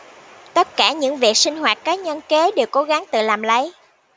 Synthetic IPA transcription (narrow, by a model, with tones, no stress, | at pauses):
t̪ə˦˥t̚kaː˧˩ɲɨ̰˧˥ŋvḭ˨˩ək̚sï˧ŋ̟hɦwaː˨˩t̚kaː˨˦˥ɲə˧nke˨˦ɗe˨˩wko˨˦ɣa˨˦ŋt̪ɨ̰˧˨laː˨˩mlə˨˦j